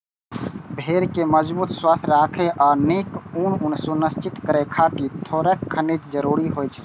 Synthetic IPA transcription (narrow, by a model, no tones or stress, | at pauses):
bʱeːɾkeməd͡ʒbuːt̪swəsɾaːkʰeʔɔːɾneːkununsunəst͡ʃit̪kəɾekʰaːt̪it̪ʰoːɾəkkʰːənet͡ʃd͡ʒəɾuːɾiɦoːjt͡ʃʰɛ̥